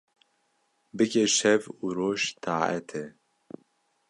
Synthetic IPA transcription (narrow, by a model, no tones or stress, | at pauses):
bɨkeʃɛvuːɾoːʃt̪ʰaːʔɛ̰t̪ʰɛ